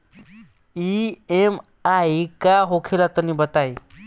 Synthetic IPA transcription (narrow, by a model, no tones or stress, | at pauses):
iem | aikaɦokʰelat̪ənibət̪aj